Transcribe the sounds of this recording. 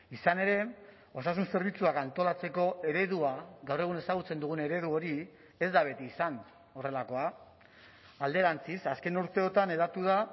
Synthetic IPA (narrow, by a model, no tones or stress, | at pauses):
isane̞ɾe̞ | o̞sas̬unse̞ɾβ̞it͡suakant̪o̞lat͡se̞ko̞e̞ɾe̞ð̞uaɡawre̞ɣ̞une̞saɣ̞ut͡se̞nd̪uɣ̞une̞ɾe̞ð̞uo̞ɾi | e̞zd̪aβ̞e̞t̪iːsan | o̞re̞lako̞a | ald̪e̞ɾant͡sisaske̞nuɾt̪e̞o̞t̪ane̞ðat̪uð̞a